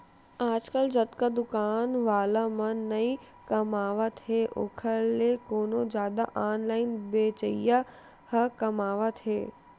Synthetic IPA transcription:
aːd͡ʒkəld͡ʒɐt̪kad̪ʊkaːnʋaːlamɐ̃nɐĩ | kɐmaːʋat̪ʰeːʔo̰kʰəekoːnozjaːd̪a̰ʔaːnlaːɪnbeːt͡ʃəja | hɐkɐmaːʋat̪ʰḛː

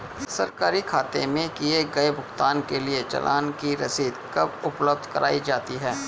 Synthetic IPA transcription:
sɐɾkaːɾikʰaːt̪ḛmẽkieɡɐebʊxt̪aːnkeliet͡ʃɐ̰lʔa̰ːnkiɾɐsiːd̪kɐbʊpləb̚d̪ʱkɐɾʔaːid͡ʒaːt̪iɦɛː

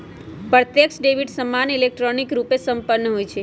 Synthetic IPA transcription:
pɾət̪jəksɖeʋiɖsəmːanilek̚ʈɾonikɾupesəmpəɾnəɦojt͡ʃʰe

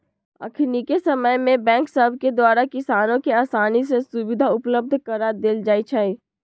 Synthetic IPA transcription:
ə̰kʰɾnikesɐməjmẽbɛ̃ːŋksəbʱked̪waːɾakɪsaːnõkeaːsaːnisesʊbɪd̪ʱaʊpləb̚d̪ʱkəɾad̪eld͡ʒaːit͡ʃʰaːi

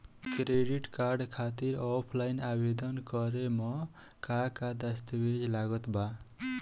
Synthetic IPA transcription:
kɾeɖiʈkaɾɖkʰat̪iɾɔpʰlajnabed̪ʌnkʌɾemɔ | kakad̪ast̪bed͡ʒlaɡɔt̪ba

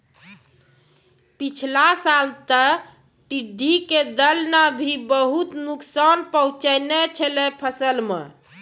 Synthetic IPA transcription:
pit͡ʃʰlasalt̪ə | ʈiɖʱːiked̪əlnabʱibəɦut̪nuksanpəũt͡ʃəjnɛt͡ʃʰəlɛpʰəsəlmḛ

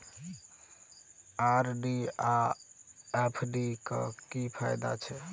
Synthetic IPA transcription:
aɾɖia | epʰɖikɔkipʰajd̪a̰t͡ʃʰɛ

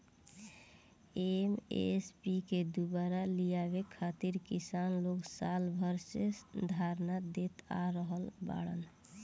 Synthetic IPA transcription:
emḛspiked̪ubaɾalijabekʰat̪iɾkisanloɡsalbʱəɾsed̪ʱaɾnad̪et̪a̰ɾəɦəlba̰ɽə̰n

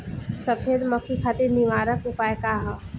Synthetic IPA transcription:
sɐfʰeːd̪mɐkʰikʰaːt̪eniʋaːɾəkʊpaːekaɦa

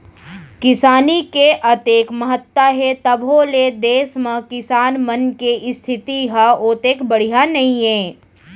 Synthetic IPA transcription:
kɪsaːnikeʔɐt̪eːkməɦət̪ːaɦet̪əbʱoled̪eːsmə̃kɪsaːnmənkeʔɪst̪ʰɪt̪iɦaoːt̪eːkbəɽ̤ijanɐɦĩẽː

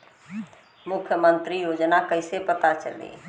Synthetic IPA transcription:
mukʰjəmənt̪ɾijod͡ʒnakəjsepət̪at͡ʃə̰lḭ

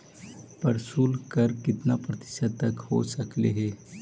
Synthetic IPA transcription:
pɐɾsuːlkəɾkɪt̪napɾɐt̪ɪ̥ʃət̪ːɐkho̰sɐklḛɦɛː

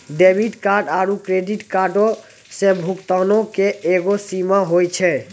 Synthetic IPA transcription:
ɖebiʈkaɾɖaɾukɾeɖiʈkaɾɖo | sẽbʱukt̪anɔkeeɡosimaɦojt͡ʃʰɛ

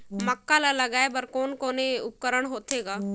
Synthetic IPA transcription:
mɐkːalalɐɡaːebəɾkoːnkoːneʊp̚kəɾəɽ̃ɦoːt̪eːɡaː

